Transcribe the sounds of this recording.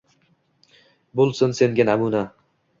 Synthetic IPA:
bolˠsɪnse̞ŋɡʲanamuna

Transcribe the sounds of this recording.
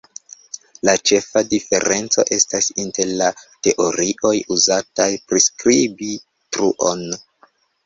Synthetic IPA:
lat͡ʃe̞fadife̞̰ɾe̞nt͡so̞̰ʔe̞stasinte̞ɾlate̞ʔo̞ɾiʔo̞juzatajpɾiskɾibi | tɾuʔo̞n

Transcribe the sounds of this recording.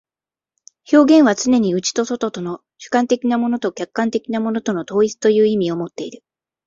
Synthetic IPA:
ço̞ːɡẽ̞ɰ̃βat͡sɨne̞ɲ̟iɯ̟t͡ɕi̥t̪o̞so̞t̪o̞t̪ono̞ | ɕɨ̥kãnt̪e̞kʲinamo̞no̞t̪o̞kʲakːãnt̪e̞kʲinamo̞no̞t̪o̞no̞t̪o̞ːit͡sɨ̥t̪o̞jɯ̟ːimʲio̞mo̞t̪ːe̞iɾɯ̟

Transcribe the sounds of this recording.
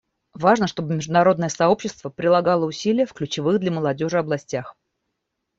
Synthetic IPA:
vaʐnəʂt̪o̞bɨmʲɪʐd̪ʊnɐɾo̞d̪nəjəsɐo̞pɕːɪst̪vəpɾʲɪlˠɐɡɑlˠəʊsʲilʲɪjəfklʲʉt͡ɕɪvɨɣd̪lʲɐməlˠɐdʲo̞ʐɨɐblˠɐsʲtʲax

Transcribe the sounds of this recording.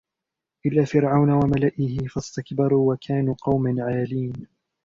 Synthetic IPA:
ʔɪlːaːfɪɾʕawnawamalaʔɪhɪfast̪akbɑɾˤuːwakʰaːnuːqɑwmanʕaːliːn

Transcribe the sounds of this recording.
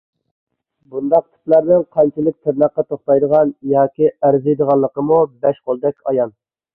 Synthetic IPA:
bund̪ɑq̚t̪ʰɪ̥plæɾnɨŋqʰɑnt͡ʃʰilɪk̚ʲt̪ʰɪɾnɑqːɑt̪ʰoχt̪ɑjd̪əʁɑnjɑːkʲiæɾzɨjd̪əʁɑnlˠːəqəmubɛʃqolˠd̪ɛkʲʰɑjɑn

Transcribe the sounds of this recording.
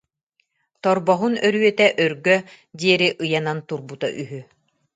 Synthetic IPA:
t̪ɔɾbɔɦunœɾyœt̪ɛʔœɾɡœ | d̪iɛɾiʔɯjanant̪uɾbut̪a̰ʔyɦy

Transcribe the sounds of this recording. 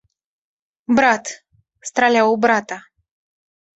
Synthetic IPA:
bɾat̪ | st̪ɾalawbɾat̪a

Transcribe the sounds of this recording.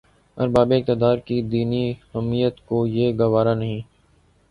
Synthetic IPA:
ɐ̰ɾbaːbek̚t̪ɪd̪aːɾkid̪iːniɦɛmːijət̪kojeːɡɐʋaːɾanɐɦĩː

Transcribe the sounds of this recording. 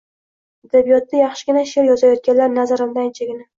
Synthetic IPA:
ad̪abijɒt̪ːajɑχʃɪ̥ɡʲɪnaʃeɾjɒzajɒt̪̚kʲanlaɾnazaɾɪmd̪ant͡ʃʰeɡʲɪna

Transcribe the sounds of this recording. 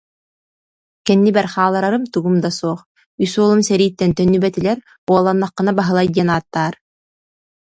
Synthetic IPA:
kɛnːibɛɾχaːlˠaɾaɾɯmt̪uɡumd̪asuɔχ | ysuɔlˠumsɛɾiːt̪ːɛnt̪œnːybɛt̪ilɛɾ | uɔlˠanːaqːɯ̆nabaɦɯlˠajd̪ɛnaːt̪ːaːɾ

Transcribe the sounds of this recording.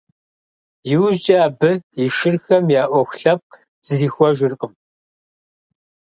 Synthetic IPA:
jɪwʒd͡ʒʼɐːbɨjɪʃɪrxɐmjaːʔʷɔxʷɬɐp̚q | z̥ɨriːxʷɔʒɪrqʼəm

